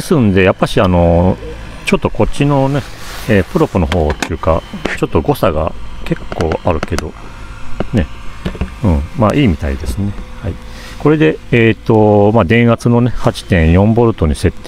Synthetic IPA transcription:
sɨ̃nd̪e̞japːaɕiano̞ | t͡ɕo̞t̪ːo̞ko̞t͡ɕːino̞neeːpɯ̟ɾo̞pɯ̟no̞ɦo̞ːt̪ːeɯ̟ka̰t͡ɕo̞t̪ːo̞ɡo̞saɡa̰ke̞kːo̞ːaɾɯ̟ke̞d̪o̞ | ne̞ | ɯ̟̃ɴmaʔiːmʲit̪a̰ḭd̪e̞sɨne̞hai | ko̞ɾe̞d̪e̞eːt̪ːo̞mad̪ẽ̞ɰ̃ɡat͡sɨno̞ne̞hat͡ɕi̥t̪ẽ̞ɰ̃jõ̞mbo̞ɾɯ̟t̪o̞ɲ̟ise̞t̪ːe

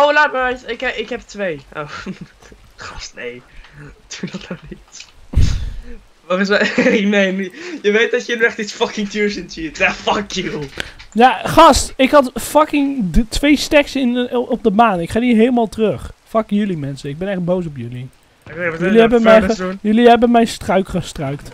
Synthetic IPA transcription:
owlat̚bjsɪkɪkɦɛp̚tʋejʔo̰ | χɑstnejd̥udɑtonit | ʋɑtɪsnejnjəʋejt̚dɑtjənyɛχtisfɑkɪŋtuːsəntitjafɑkjijaːχɑstɪkɦɑtfɑkɪŋdtʋejstɛksɪnɔp̚dəmaːnɪkχaːniːɦeləmaːlˠtərɵχfɑkjʏlimɛnsəɪɡ̚bɛnɛχd̚bows̬ɔpjɵli | jəliɛbəmmɛnjəliɦɛbənmɛjnstrœɥkχəstrœɥkt

